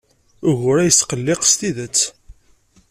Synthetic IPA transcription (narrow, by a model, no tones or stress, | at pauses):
ʊʝʊɾæjəsqəlːɪqst̪iðət͡sː